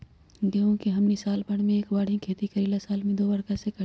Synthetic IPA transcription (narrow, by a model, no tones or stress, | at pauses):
ɡõkiɦɐmnisaːlpɐɽ̃mẽeːkbaːɽ̤ĩkʰeːt̪ikɐɾiːlasaːlmẽd̪oːbɐɽkasek